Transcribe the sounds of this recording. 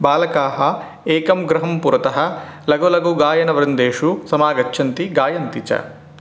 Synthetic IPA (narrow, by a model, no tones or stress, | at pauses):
baːlɐkaːɦɐ | eːkɐmɡɾɐɦɐmpuɾɐt̪ɐɦɐ̆lɐɡɐlɐɡuɡaːjɐnɐʋɐɾɐnd̪eːʂusɐmaːɡɐtːʃʰɐnt̪iɡaːjɐnt̪it͡ʃɐ̰